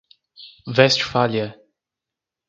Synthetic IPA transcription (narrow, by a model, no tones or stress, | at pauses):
vɛst͡ʃfalja